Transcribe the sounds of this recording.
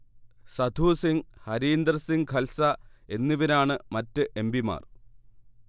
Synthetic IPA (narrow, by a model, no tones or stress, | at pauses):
sɐd̪ʱuːsiŋhɐɾiːnd̪ɐrsiŋkʰɐlsɐe̞nːiʋinaːɳɨmɐtːɨʔe̞mbima̰ːr